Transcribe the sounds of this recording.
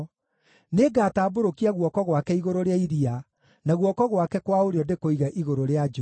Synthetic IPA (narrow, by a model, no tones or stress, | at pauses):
neɡataːboɾokiaɣwɔkɔɣwakɛiɣoɾoɾeaiðia | naɣwɔkɔɣwakɛkwaoɾeɔndekoiɣaʔiɣoɾoɾead͡ʒ